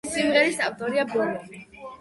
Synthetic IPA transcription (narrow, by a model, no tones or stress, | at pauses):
simʁɛɾisaft̪ʼɔɾiabɔlɔ